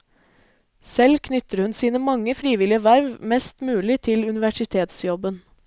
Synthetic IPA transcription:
sɛlkʰnʏt̪əɾhʉnsiːnəmɑŋəfɾiːʋɪlɪəʋæɾʋmɛst̪mʉːlɪt̪ʰɪlʉnɪʋæʂɪt̪ʰeːt̪sjɔbən

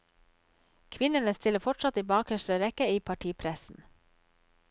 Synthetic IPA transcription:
kʰʋɪnənəst̪ʰɪləfɔʈsɑt̪iːbɑːkhœʃɾəɾɛkəiːpʰɑʈʰiːpʰɾɛsn̩

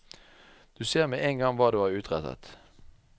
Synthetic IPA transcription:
d̪̥ʉːseːʁmeʔeːŋɡɑŋʋɑːd̪ʉːæːʁʉːt̪ʁɛt̪ə̰t̪

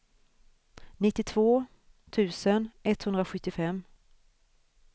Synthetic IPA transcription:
nɪt̪ːɪt̪ʰv̥oː | t̪ʰʉ̟ːsənɛt̪hɵnd̪ɾaɧɵt̪ːɪfɛmː

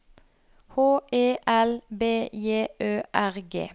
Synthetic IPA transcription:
hoːʔeːʔɛlbeːjeːʔøːʔæʁɡḛː

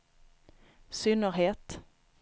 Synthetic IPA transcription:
sʏnəɾɦeːt̪

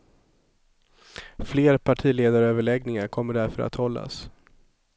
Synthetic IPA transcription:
fleːɾpʰaʈʰiːleːd̪aɾøːvəɭɛɡnɪŋaɾkʰɔmːəɖæɾfœɾa̰t̪hɔlːa̰s

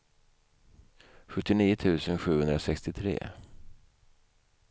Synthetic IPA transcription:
ɧɵt̪ːɪniːət̪ʰʉ̟ːsənɧʉ̟ːhɵnd̪ɾasɛkst̪ɪt̪ʰɾḛː

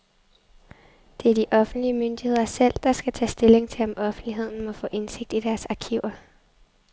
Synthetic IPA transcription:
d̥e̝æɐd̥iʔɒ̽fn̩d̥liəmønd̥ihe̝ð̰ˠɐsel̰d̥ɑ̈sɡ̥æt͡sʰɛ̰ːsd̥e̝le̝ŋt͡sʰe̝ɒ̽mʔɒ̽fn̩d̥liɦe̝ð̞̰ˠn̩mɒ̽fɔ̰̽ːʔe̝nse̝ɡ̥̚d̥id̥æɐsɑ̈kʰiʊ̰ɐ

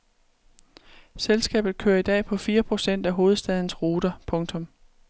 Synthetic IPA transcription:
selsɡ̥ɛ̰ːb̥ð̞̩ˠkʰøːɐid̥ɛ̰ːpʰɒ̽fiːɐpʰʁo̝sen̰d̥æɦo̝ːð̞̩ˠsd̥ɛð̞ˠn̩sʁo̝ːd̥ɐpʰɔ̽ŋt͡sʰɒ̽m

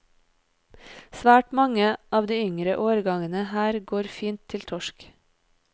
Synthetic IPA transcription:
sʋæːʈmɑŋəʔɑːʋd̪iːʏŋɾəʔoːɾɡɑŋənəhæːɾɡoːɾfiːnt̪ʰɪlt̪ʰɔʃk

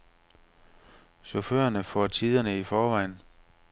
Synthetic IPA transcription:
ɕɒfø̰ɐnəfɒ̰ːt͡sʰið̞ˠɐnəifɒːʋɑ̈ɪ̰n

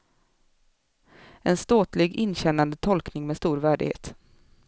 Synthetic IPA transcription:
ɛnst̪oːt̪lɪɡɪnːɕɛnːand̪ət̪ʰɔlknɪŋmeːst̪uːɾvæːɖɪ̰ɡhḛːt̪

